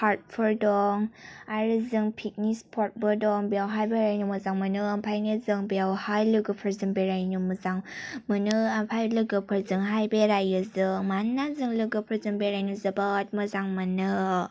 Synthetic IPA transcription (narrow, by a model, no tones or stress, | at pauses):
haɾt̚pʰɯɾdɔŋaɾɯzɯŋpʰik̚nispʰɔt̚bɯdɔŋbijawɦajbeɾajnuməzaŋmɯnɯampʰajnizɯŋbijawhajlɯɡɯpʰəɾzɯŋbeɾajnuməzaŋmɯnɯampʰajlɯɡɯpʰəɾzɯŋɦajbeɾajɯzɯŋmanːazɯŋlɯɡɯpʰəɾzɯŋbeɾajnuzəbat̚məzaŋmɯnɯ